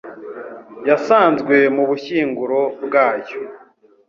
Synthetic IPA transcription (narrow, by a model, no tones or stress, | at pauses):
jasaːnzɡwe̞muβuçiːŋɡuɾobɡaːjo̞